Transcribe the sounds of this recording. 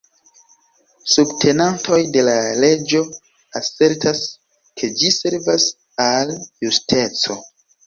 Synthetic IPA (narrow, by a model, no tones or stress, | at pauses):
subtʰe̞nanto̞jde̞lale̞d͡ʒo̞ | ase̞ɾtas | kʰe̞d͡ʒise̞ɾvas | aljustʰe̞t͡so̞